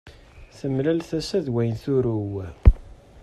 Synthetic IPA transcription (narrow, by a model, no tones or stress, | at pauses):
θəmlælθæsæðwæjnθuɾuw